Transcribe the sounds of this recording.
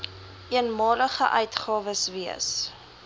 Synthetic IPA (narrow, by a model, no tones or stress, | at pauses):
iənmɑːləχəʔœɥtχɑːvəsviə̰s